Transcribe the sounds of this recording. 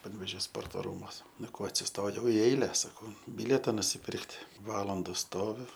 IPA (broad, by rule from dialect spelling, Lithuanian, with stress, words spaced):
pɐnʲʋʲeːˈʒʲoː ˈspoːrtoː ˈruːmuɔs ˈnʊ ˈkoː ɐtʲsʲɪsˈtoːjɛʊ ɪ ˈɛɪlʲɛ sɐˈkɐʊ ˈbʲɪlʲiɛtɐ nʊsʲɪˈpʲɪrktʲ ˈʋɑːlˠɐndɐ ˈstoːʋʲʊ